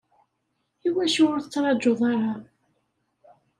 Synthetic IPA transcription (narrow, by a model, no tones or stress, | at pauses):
iwæʃʊɾθət͡sːɾˤɑd͡ʒːoðˤɑɾˤɑ